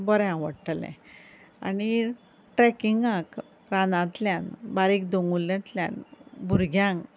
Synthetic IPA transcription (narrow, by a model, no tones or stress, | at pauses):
bəɾɛ̃ãʋə̰ɽʈəlɛ̰̃ | a̰ni | ʈɾɛkiŋɡãk | ɾanãt̪ljãnbaɾik̚d̪oŋɡulːãt̪ljã̰nbʱuɾɡʱjãŋ